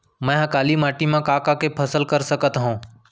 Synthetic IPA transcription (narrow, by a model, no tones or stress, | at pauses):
mɛ̃ːɦãkaːlimaːʈimãkaːkakepʰəsəlkəɾsəkət̪ɦõː